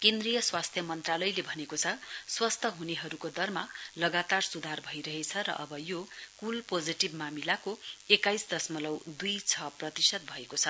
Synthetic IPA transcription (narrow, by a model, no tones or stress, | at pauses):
kend̪rijʌswast̪ʰjʌmʌnt̪ralʌjlebʱʌnekot͡sʰʌswʌst̪ʰʌɦuneɦʌɾukod̪ʌrmalʌɡat̪arsud̪ʱarbʱʌjɾʌɦet͡sʰʌɾʌ̰ʔʌbʌjokulpod͡ziʈibmamilakoekajsd̪ʌsmʌlʌwd̪ujt͡sʰʌprʌt̪isʌt̪̚bʱʌekot͡sʰʌ